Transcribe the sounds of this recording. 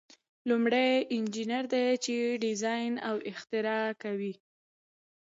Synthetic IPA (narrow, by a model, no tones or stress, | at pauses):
lumɽejɪnd͡ʒinaɾd̪et͡ʃeɖɪzɑjnawɪxt̪ɪɾɑkawi